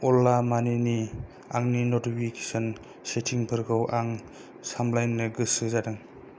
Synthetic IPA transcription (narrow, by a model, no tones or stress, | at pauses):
ɔlːamanini | aŋninotipʰike̥sɔn | setʰiŋpʰɯɾɡɯwʔaŋ | samlajnːɯɡɯsɯzadɯŋ